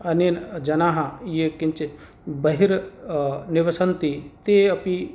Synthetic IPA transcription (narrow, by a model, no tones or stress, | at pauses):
ɐnind͡ʒɐnaɦãjekɪnt͡ʃe | bɐɦiɾ | nɪʋɐsɐnt̪it̪eɐpi